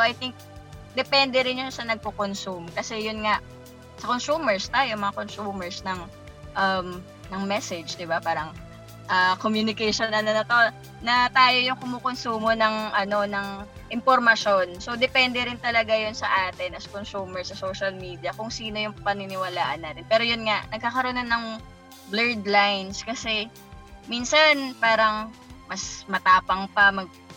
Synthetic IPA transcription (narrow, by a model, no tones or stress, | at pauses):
oʔɐjt̪ɪŋk̚d̪ɛpɛnd̪ɛɾɪnjʊnsɐnɐɡ̚kokonsumkɐsɛjʊnŋaʔ | sɐkonsuːmɛɹst̪aːjomɐŋakonsuːmɛɹsnɐŋ | ʔɐm | nɐŋmɛsɛd͡ʒd̪ɪbapaːɾɐŋ | ʔɐkomjunɪkɛjʃonɐnɐnɐt̪ɐ | nɐt̪aːjo̞jʊŋkʊmuːkonsuːmo̞nɐŋʔɐno̞nɐŋ | ʔɪmpoɾmɐʃo̞nso̞d̪ɛpɛnd̪ɛɾɪnt̪ɐlɐɡajonsɐʔaːt̪ɪnɐsɐkonsuːmɛɹsɐsoːʃɐlmiːd̪ijɐkʊŋsiːno̞jʊŋpɐnɪnɪwɐlaːʔɐnːɐt̪ɪnpɛːɾo̞jʊnŋaʔnɐɡ̚kakɐɾonɐnːɐŋ | blɛɹd̪lajnskɐsɛ | miːnsɐnpaːɾɐŋmɐsmɐt̪aːpɐŋpɐmɐɡ̚